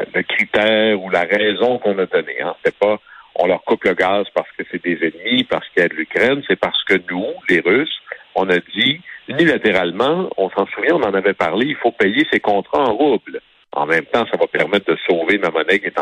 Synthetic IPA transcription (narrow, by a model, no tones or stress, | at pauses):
ləkʲʁit̪ɛːʁulaʁɛzɔ̃kɔ̃nad̪ɔnḛɛ̰̃se̥t̪ɛpaɔ̰̃lœʁkʊpləɡaːzpaʁsə̥kəsɛd̪ezɛnmipaʁsə̥kiɛd̪lykʲʁɛnsɛpaʁ̥sə̥kənuleʁysɔ̃nadd͡z̪iynilat̪eʁalmɑ̃ɔ̃sɑ̃suvjɛ̃ɔ̃nɑ̃navɛpaʁleilfopɛjesekɔ̃t̪ʁaɑ̃ʁʊbl | ɑ̰̃mɛ̃mt̪ɑ̃savapɛʁmɛt̪̚d̪əsoːvemamɔnɛket̪